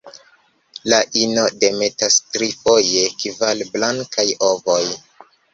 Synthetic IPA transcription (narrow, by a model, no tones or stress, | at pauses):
laʔino̞de̞me̞tastɾifo̞je̞kivalblaŋkajovoj